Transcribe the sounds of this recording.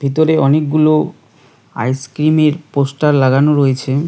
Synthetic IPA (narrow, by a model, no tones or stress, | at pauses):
bʱit̪oɾeɔnek̚ɡulo | a̰jskɾimeɾposʈaɾlaɡanoɾoet͡ɕʰe